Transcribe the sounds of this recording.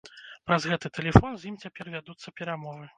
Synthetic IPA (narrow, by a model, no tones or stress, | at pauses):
pɾɐzɣɛt̪ɨt̪ɛlʲɛfɔnzʲjimt͡sʲapʲɛrvʲad̪ut̪sːɐpʲɛɾamɔvɨ